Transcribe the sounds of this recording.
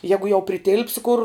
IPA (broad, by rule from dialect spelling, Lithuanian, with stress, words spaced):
ˈjæːɡʊ jɛʊ pʲrʲɪˈtʲɪlʲpʲsʲɪ kʊr